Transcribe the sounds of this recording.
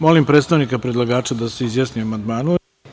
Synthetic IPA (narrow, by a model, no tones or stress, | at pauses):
mo̞limpɾet̪st̪aʋnikapɾed̪lˠaɡaːt͡ʃad̪aseizjasniamand̪maːnu